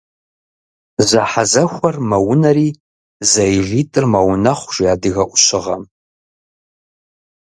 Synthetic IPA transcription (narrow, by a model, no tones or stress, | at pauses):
zaħazɐxʷɐrmɐwʊnɐriː | zajʒʷitʼɨrmawnɐχʷʒ̥iadɨɣɐʔʷʊʃɪʁɐ̰m